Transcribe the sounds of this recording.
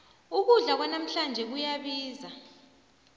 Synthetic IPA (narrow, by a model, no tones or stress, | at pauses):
uk̬uɮak̬wanam̩ɬand͡ʒʱɛk̬ujaɓiːza